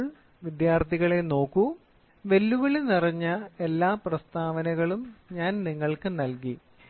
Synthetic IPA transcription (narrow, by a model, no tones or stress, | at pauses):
ɭ | ʋid̪jaːrt̪ʰiɣɐɭe̞no̞ːkːu | ʋe̞lːuʋɐɭenirɐɲːɐe̞lːaːprɐst̪ʰaːʋɐnɐɣɐɭumɲaːnniŋːɐɭkɨnɐlki